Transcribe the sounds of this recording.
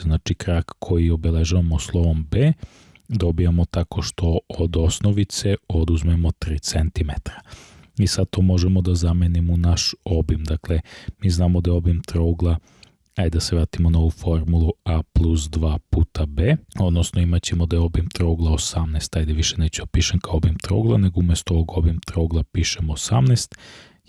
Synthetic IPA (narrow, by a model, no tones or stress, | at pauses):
znaːt͡ʃikɾakkʰojio̞be̞leʒaʋamoslˠo̞ʋo̞mbeː | d̪o̞bijamo̞t̪ako̞ʃt̪o̞od̪o̞snoʋit̪se̞o̞d̪uzmemo̞t̪ɾiːt̪sent̪imet̪ɾḁ | isad̪̚t̪o̞ːmo̞ʒemod̪azamenimunaʃo̞bimd̪aklemiːznaːmod̪ajɛo̞bimt̪ɾouɡlˠa | ajd̪ase̞ʋɾaːt̪imonao̞ʋufo̞ɾmulˠuaplˠusd̪ʋaːpuːt̪abeːo̞d̪nosnoimat͡ɕe̞mod̪ajo̞bimt̪ɾoːɡlˠaosamnest̪ajd̪eʋiʃeneːt͡ɕeopiʃeŋkaoobimt̪ɾo̰ːɡlˠane̞ɡoumjest̪ooʋoɡo̞bimt̪ɾoːɡlˠapiːʃemoːsa̰mnest̪